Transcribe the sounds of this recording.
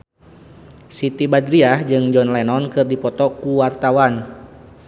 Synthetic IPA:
sit̪ibadɾiahd͡ʒɨŋd͡ʒɔnlɛnɔnkɨrdipɔt̪ɔkuwart̪awan

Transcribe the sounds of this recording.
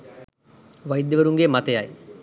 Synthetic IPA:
ʋajid̪ːəʋəɾuŋɡemat̪əjaj

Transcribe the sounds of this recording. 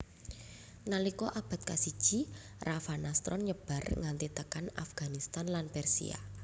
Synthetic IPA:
nalikɔʔab̥a̤t̪̚kasid̥ʒ̥i̤ | rafanast̪ɾɔ̰nɲəb̥a̤rŋant̪it̪əkanafɡ̥anist̪anlanpɛrsḭa̰

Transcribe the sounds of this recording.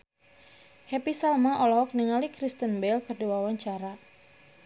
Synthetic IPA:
hɛpisalmaʔɔlɔhɔk̚niŋalikɾist̪ənbɛlkɨrdiwawaɲt͡ʃaɾa

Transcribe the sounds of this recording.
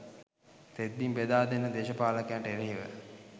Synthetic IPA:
t̪ed̪ːimbed̪aːd̪enːəd̪eːʃəpaːlakjaɳʈəeɾeɦiʋə̰

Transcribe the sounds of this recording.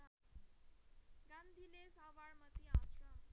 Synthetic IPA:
ɡãnd̪ʱilesaʋaɾmət̪iaːsɾam

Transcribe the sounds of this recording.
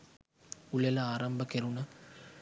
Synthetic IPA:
ulelɐaːɾɐmbəkeɾunɐ

